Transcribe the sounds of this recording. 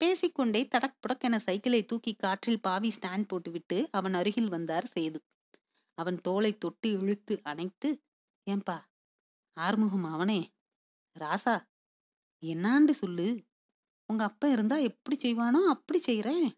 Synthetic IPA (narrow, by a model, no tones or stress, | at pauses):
peːsɪkːɔɳɖeːt̪ɐɽɐk̚pʊɽɐkːɛnɐsɐɪkːɐlɐɪt̪uːkːikːaːʈrɪlpaːʋisʈaːɳɖ̚poːʈːɯʋɪʈːɯɐʋɐnɐɾɯɣɪlʋɐnd̪aːɾsɛjðɯ | ɐʋɐnt̪oːlɐɪt̪ːɔʈːɯɛɻɯt̪ːɯʔɐnɐɪt̪ːɯ | eːmpaː | aːɾmɯɣɐmaɐʋɐneː | ɾaːsaː | ɛnːaːɳɖɯsɔlːɯ | ʊŋɡɐːpːɐ̃ɪɾɯnd̪aːɛpːɐɽisɛjʋaːnõːɐpːɐɽit͡ʃɛjɾẽː